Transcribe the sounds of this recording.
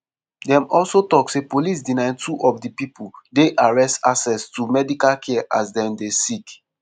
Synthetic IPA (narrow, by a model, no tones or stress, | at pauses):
dɛ̃mɔlsotɔksepolis̬dinãɪ̃ntuʔɔfdipipʰuldeʔaɹɛstasɛstumɛdikalkʰɛaʔasdɛ̃mdesik